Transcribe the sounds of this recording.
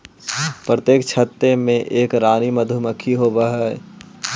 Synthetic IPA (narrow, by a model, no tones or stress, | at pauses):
pɾət̪eːkt͡ʃʰət̪ːemẽʔeːkɾaːniməd̪ʱʊməkʰːiɦoːbəɦɛː